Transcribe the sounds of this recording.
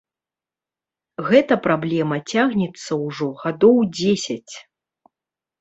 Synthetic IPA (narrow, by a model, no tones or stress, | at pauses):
ɣɛt̪ɐpɾablʲɛmɐt͡sʲaɣnʲɛt̪sːɐwʐɔɣad̪ɔwd͡zʲesʲɐt͡sʲ